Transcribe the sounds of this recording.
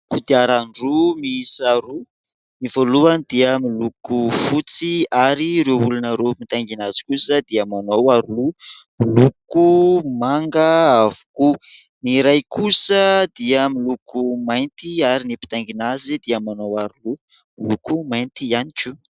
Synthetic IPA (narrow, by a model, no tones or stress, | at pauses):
kud̪iaɾaɳɖ͡ʐumisaɾu | nivoluanid̪̥iəmilukufut͡siaɾiɾeulanəɾomit̪aŋɡinaz̥i̥kusəd̪iamanowaɾulumilukumaŋɡəavu̥ku | niɾajkusəd̪iəmilukumajnt̪iaɾinipi̥t̪aŋɡinazid̪iamanowaɾulu | milukumajnt̪ianikʲu